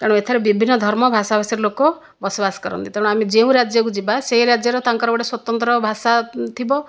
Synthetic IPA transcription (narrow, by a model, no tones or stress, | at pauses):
kaɽ̃et̪ʰaɾebibʱinːɔd̪ʱɔɾmɔbʱasabʱasiɾlokɔ | bɔsɔbasɔ̥kɔɾɔ̰nt̪ik̪aɽ̃ũamid͡ʒeũɾad͡ʒjɔkud͡ʒibaseɦiɾad͡ʒjɔɾɔt̪aŋkɔɾɔbɔɽeswɔt̪ɔnt̪ɾɔbʱasat̪ʰibɔ